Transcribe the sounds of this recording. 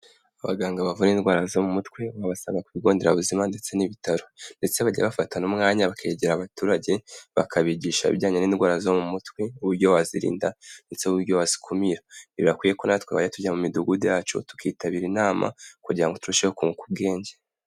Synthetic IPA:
aβa̰ɡaːŋɡaβavunindɡwaːɾazomumutkweβaβasaːŋɡakuβiɡo̞ːndeɾaβuzimande̞t͡se̞niβitaɾo̞nde̞t͡se̞βaɟa̰βafatanumŋaːɲaβakʰeɟeɾaβatuːɾaɟe̞βa̰kʰaβiɟiːʃa̰βɟaːɲeniːndɡwaːɾazomumutweuβuɾɟo̞waziɾḭːndande̞t͡seuβuɾɟowazi̥kʰomiɾaniβiβakwije̞konaatkweβaɟatuɟamumiduɡudejaːt͡ʃo̞̰tu̥kʰiːtaβiːɾinaːmʔa̰kuɟiɾaŋɡo̞tuɾuʃehokuŋukub̚ɡe̞ːɲɟe

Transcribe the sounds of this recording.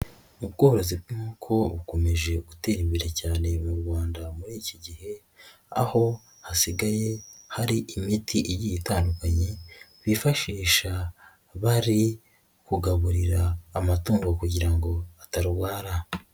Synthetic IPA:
ubɡoːɾo̞zibnuːkʰo̞βuko̞me̞ʒe̞ɡute̞ːɾimbiɾecaːne̞muɾɡwaːndamuɾiːciɟihe̞ | a̰ho̞ | hasiɡaje̞haɾiʔimitʰiʔijijitaːndukaɲe̞βifaʃiːʃa | βaɾi | kuɡaβuɾiɾaːmatuːŋɡokuɟiɾaŋɡo̞ataɾuwaːɾa

